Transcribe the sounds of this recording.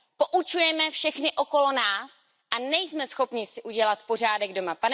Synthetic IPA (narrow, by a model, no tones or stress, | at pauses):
poʔut͡ʃujɛmɛfʃɛxnɪʔo̞ko̞lo̞naːs | ʔanɛjsmɛsxo̞pɲɪsɪʔuɟɛlat̪po̞r̝aːdɛɡdo̞mapanɛ